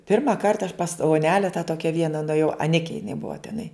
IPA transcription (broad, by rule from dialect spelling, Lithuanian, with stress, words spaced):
ˈpʲɪrmɐ ˈkɐrtɐ ɐʃ pɐs oːˈnʲæːlʲɛ tɑː ˈtoːkʲɛ ˈʋʲiɛnɐ nʊɛˈjɛʊ ɐˈnʲɪkʲɛ jɪˈnɐɪ ˈbʊʋɐ tʲɛˈnɐɪ